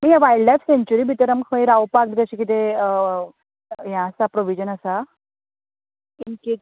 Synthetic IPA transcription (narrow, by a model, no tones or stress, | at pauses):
məɡjaʋajɖlajfseɲt͡ɕuɾiːbʱit̪əɾəmkʰəĩɾawpakd̪ɡət͡ɕikit̪e | jãːsapɾoʋid͡ʑənəsa | inke